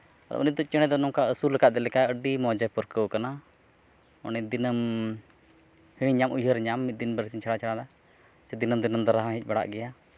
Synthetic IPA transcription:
a̰d̪ɔ̰ʔɔ̰nid̪ɔt͡ʃɛɽ̃ɛd̪ɔnɔmkaəsuləkat̪̚d̪ɛlɛkaəɖimɔd͡ʒɛpɔɾkəwkana | ɔ̰nid̪inəm | hiɽiɲamujɦəɾɲamːit̪̚d̪inbəɾsiɲt͡ʃʰaɽat͡ʃʰaɽad̪a | sɛd̪inəmd̪inəmd̪aɾaɦamɦɛc̚ˀbaɽa̰ʔɡɛja

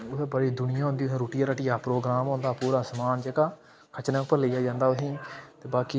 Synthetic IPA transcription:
ʊt̪ẽːbəɽiːd̪ʊnɪjãːɦʊ̃ːnd̪iːẽɾoːʈɪjaːɾəʈiːaːpɾoːɡɾaːmõːnd̪aːpuːɾaːsəmaːnd͡ʒəɡaː | kʰət͡ʃnəpəɾləiːjaːd͡ʒãːnd̪aːʊɦĩːt̪eːbaːkiː

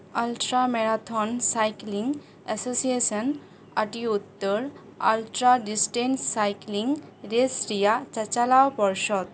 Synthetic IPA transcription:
alʈɾamɛɽat̪ʰɔnsajkliŋɡ | ɛsosijesən | aʈiut̪ːəɾ | a̰lʈɾaɖisʈenssajkliŋɡɾesɾijat͡ɕət͡ɕalawpɔɾʃɔd̪

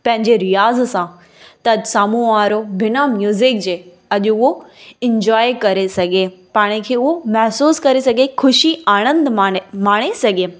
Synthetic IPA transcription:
pɐ̃ɦɪ̃ɲd͡ʑeɾijaːzsã | t̪ɐd͡ʑsaːmuaːɾobʱɪnamjuːzɪk̚d͡ʑeː | ɐʄʊʊɦoɪ̃ɲd͡ʑɔːjkɐɾesɐɡʱepaːɽ̃ɪkʰeːʊɦomɐɦsuːskɐɾesɐɡʱexʰʊʃiaːɽ̃ə̃nd̪maːɽ̃esɐɡʱe

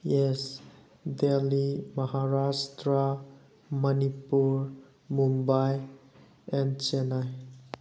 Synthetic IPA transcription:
jɛs | deliməɦaɾastɾa | mʌnipuɾ | mumbaj | ɛ̃nt͡ʃenaj

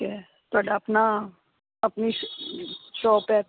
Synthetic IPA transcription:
e | t̪ɐɖɐpna | ɐpni | ʃɔːpɛ

